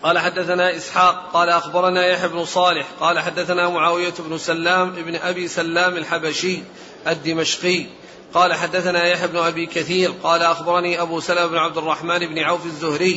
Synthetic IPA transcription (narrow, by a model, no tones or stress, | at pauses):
qɑːlaħad̪ːaθanaːʔɪsħaːq̚ːɑːlaʔaxbɑɾˤɑnaːjaħjabnʊsˤɑːlɪħqɑːlaħad̪ːaθanaːmʊʕaːwɪjaɪbnʊsalːaːmʔɪbnʔabiːsalːaːmalħabaʃɪj | ʔad̪ːɪmaʃqɪj | qɑːlaħad̪ːaθanaːjaħjabnʊʔabiːkaθiːɾqɑːlaʔaxbɑɾˤɑniːʔabuːsalamɪbnʊʕab̚d̪ɪrˤːɑħmaːnɪbnɪʕawfazːʊhɾɪjː